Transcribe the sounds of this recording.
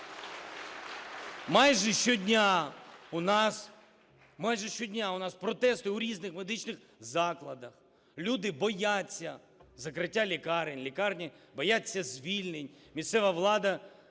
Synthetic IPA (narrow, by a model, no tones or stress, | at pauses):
mɑjʒɛʃt͡ʃɔdʲnʲaʊnɑs | mɑjʒɛʃt͡ʃɔdʲnʲaʊnɑspɾɔt̪ɛst̪ʊuɾʲiznɪxmed̪ɪt͡ʃnɪx | zɑklˠɐd̪ɐx | lʲud̪ɪbɔjat͡sʲːɐ | zɐkɾɪtʲːalʲikɑɾenʲlʲikɑrnʲi | bɔjat͡sʲːɐzʲʋʲilʲnɪnʲ | mʲist̪sɛʋɐʋlˠɑd̪ɐ